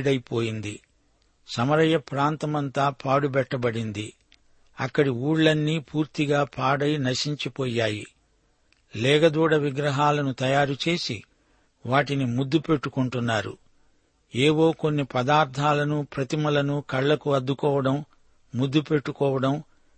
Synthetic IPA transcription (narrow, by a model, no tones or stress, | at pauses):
ɽɐjpoːjind̪i | sɐmɐɾɐjɐpɾaːnt̪ɐmɐnt̪aːpʰaːɽubɛʈːɐbɐɽind̪i | ɐ̰kːɐɽiuːɽlɐnːiːpuːɾt̪iɡaːpaːɽɐjnɐʃiɲt͡ʃipɔːjaːjḭ | lɛːɡɐd̪uːɽɐʋiɡɾɐɦaːlɐnut̪ɐjaːɾut͡ʃe̞ːsi | ʋaːʈinimud̪ːupe̞ʈːukuɳʈunːaːɾṵ | eːwo̞ːko̞nːipɐd̪aːɾt̪ʰaːlɐnupɾɐt̪imɐlɐnukɐɭːɐkuɐd̪ːukɔːʋɐɽɐmː | ud̪ːupe̞ʈːukɔːʋɐɽɐm